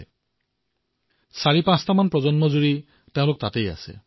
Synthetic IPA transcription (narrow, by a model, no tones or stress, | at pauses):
saɹipãstamanpɹɔzɔnmɔzuɹi | teʊ̃lok̚t̪at̪eja̰sḛ